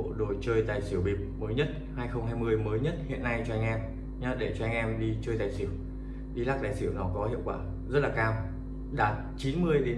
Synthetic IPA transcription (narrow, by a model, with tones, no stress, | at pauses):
ɗo˨˩jt͡ɕəː˧jzaː˨˩jsi˧˩əwɓi˨˩əp̚məː˨˦jɲə˦˥t̚haː˧jxə˧wŋ͡mɦaː˧jmɨ˧əjməː˨˦jɲə˦˥t̚hḭ˧˨ənːa˧jt͡ɕɔ˧ʔa˧jŋ̟ʔɛ˧m | ɲa˨˧˦ɗe˧˩t͡ɕɔ˧a˧ŋ̟ʔɛ˧mɗi˧t͡ɕəː˧jzaː˧˩jsi˧˩əw | ɗi˧laː˦˥zaː˨˩jsi˧˩əwnɔ˨˦kɔ˨˦hḭ˧˨əwkwaː˧˩ | zə˦˥t̚laː˨˩kaː˧w | ɗaː˨˩t̚t͡ɕi˨˦nmɨ˧əjɗe˨˦